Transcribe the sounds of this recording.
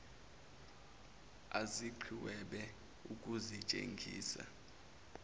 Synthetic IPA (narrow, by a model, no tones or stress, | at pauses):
aziǃʰiwɛɓɛ | ukʼuzit͡ʃʼḛŋɡʱḭːsa̰